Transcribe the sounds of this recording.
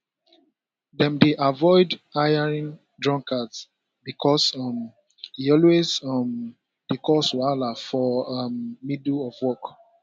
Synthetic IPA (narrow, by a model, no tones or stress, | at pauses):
dɛ̃mdeʔavɔɪdajaɹĩn | dɹɔ̃ŋkʰats | bikʰɔsɔm | hiɔlwezɔm | d̥ikɔswalafɔmːidɔvwɔk